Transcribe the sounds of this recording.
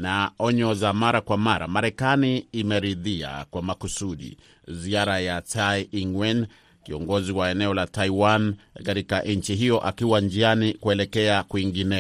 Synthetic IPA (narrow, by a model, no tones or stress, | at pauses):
naɔɲɔzamaɾakwamaɾa̰maɾɛkaniːmɛɾiðia̰kwamakusuɗḭ | ziaɾajatajiŋwɛn | kiɔŋɡɔziwaɛnɛɔlataiwankaɾikaʔnɲ̩t͡ʃiɦijɔʔa̰kiwand͡ʒianikuɛlɛkɛakuiŋɡinɛ